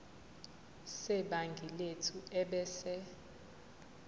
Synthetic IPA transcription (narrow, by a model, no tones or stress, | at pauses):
sɛɓaŋɡʱiletʰuɛɓɛːsɛ